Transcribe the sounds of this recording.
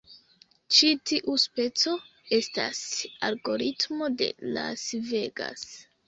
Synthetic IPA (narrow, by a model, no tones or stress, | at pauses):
t͡ʃitiʔuspe̞t͡so̞ | e̞sta̰salɡo̞ɾitmo̞de̞̰lasve̞ɡa̰s